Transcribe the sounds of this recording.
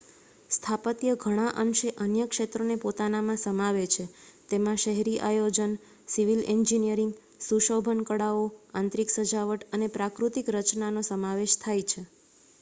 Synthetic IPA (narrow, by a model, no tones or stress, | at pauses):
st̪ʰapət̪jəɡʱəɽ̃aʔənʃeʔənjəkʃet̪ɾonepot̪anamãsəmaʋet͡ʃʰet̪emãʃəɦɾiʔajod͡ʒən | siʋilɛnd͡ʒinijəɾĩŋɡ | suʃobʱənkəɽaoãnt̪ɾiksəd͡ʒaʋəʈənepɾakɾut̪ikɾət͡ʃnanosəmaʋeʃt̪ʰajt͡ʃʰe